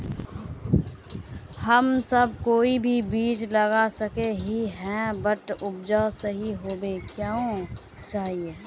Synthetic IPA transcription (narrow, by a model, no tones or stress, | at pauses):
həmsəb̚koːibʱibiːt͡ʃləɡasəkeɦiɦɛ̃bəʈ̪ʊb̚d͡ʒasəɦiɦoːbeːkjaõ | t͡ʃaːɦieː